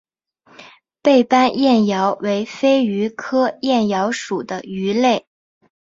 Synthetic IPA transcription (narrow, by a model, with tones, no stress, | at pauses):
pe˥˩ɪpa˥njɛ˥˩njɑ˧˥ʊwe˧˥ɪfe˥ɪy˧˥kʰɤ˥jɛ˥˩njɑ˧˥ʊʂu˨˩d̪ə˦y˧˥le˥˩ɪ